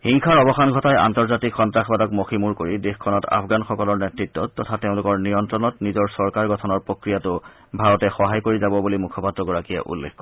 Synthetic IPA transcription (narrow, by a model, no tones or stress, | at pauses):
xiŋxʰaɹɔbɔxanɡʱɔtaja̰ntɔɹzatikxɔntɹaxbadɔkmoximuɹkoɹidexkʰɔnɔta̰pʰɡanxɔkɔlɔɹnɛtɹitːɔːɔtʰateʊ̃lʊkɔɹnijɔntɹɔnɔtnizɔɹsɔɹkaɹɡɔtʰɔnɔɹpɹokɹijatʊ | bʱaɹɔtɛxɔɦajkoɹizabɔbulimukʰɔpatɹɔɡɔɹakija̰ʔṵlːḛxkːɔ